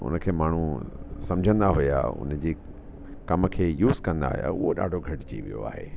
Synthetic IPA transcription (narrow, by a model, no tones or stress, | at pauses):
ʊ̰nəkʰeːmaːɳ̤usɐ̃md͡ʑʱə̃nd̪aɦʊja̰ʊ̰nd͡ʑeː | kɐmə̆kʰeːjuːzkɐ̃nd̪a̰ːɦʊ̰ja̰ʊɦoɗa̰ːɖʱoɡʱɐʈt͡ɕḭːʋḭjo̰a̰ːɦḛː